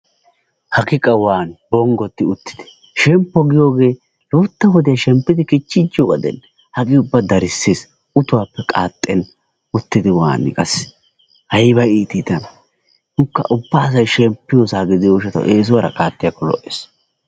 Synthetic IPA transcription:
hɐɡɪkʼɐwaːnbɔŋɡɔt̪ːɪʊt̪ːɪ̥d̪̥ɪ̥ | ʃɛmpːɔɡɪjo̞ːɡe̞ː | luːt̪ːɐwɔd̪ɪjaʃɛmpːɪd̪ɪkɪt͡ʃːɪd͡ʒːɪjoːɡɐd̪ɛ̰n | hɐkʼɪʊbːɐd̪ɐɾɪsːeːs | ʊt̪ʊwaːpːɛkʼaːt̪ʼːɛn | ʊt̪ːɪd̪ɪwa̰ːnɪ̰kʼɐs | hɐjbɐiːt̪ɪt̪ɐn | nʊkːɐ̰ʔʊbːaːs̬ɐjʃɛmpːɪjoːsaːɡɪd̪ɪjoːʃɐt̪ɐ̰ʔeːs̬ʊwɐɾɐ̰kʼaːt̪ʼːɪjakːɔlɔ̰ʔeːs

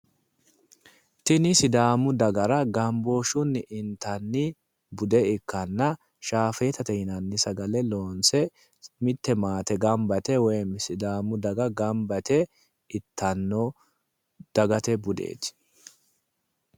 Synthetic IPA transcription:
t̪ɪnɪsɪd̪aːmʊd̪ɐɡɐɾɐɡɐmboʃʊnːɪʔɪnt̪ɐnːɪ | bʊd̪ɛɪkːɐnːɐ | ʃaːfe̞ːt̪ɐt̪ɛhɪnɐnːɪsɐɡɐlɛloːnsɛ | mɪt̪ːɛmaːt̪ɛɡɐmbɐt̪ɛwɔjmɪsɪd̪aːmʊd̪ɐɡɐɡɐmbɐt̪ɛ | ɪt̪ʰːɐnːɔ | d̪̥ɐɡɐt̪ɛbʊd̪ḛːt̪

